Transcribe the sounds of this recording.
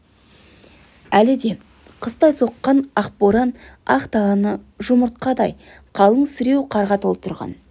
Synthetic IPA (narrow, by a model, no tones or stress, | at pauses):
ælɪd̪e̞ | qʰəst̪ɑjso̞qːɑnɑχpoɾɑnɑ̰χt̪ɑʁɑnə | ʒʊməɾt̪̚qɑd̪ɑj | qʰɑlˠəɴsɪɾe̞wqʰɑɾʁɑt̪ʰolˠpt̪ʰʊɾʁɑ̰n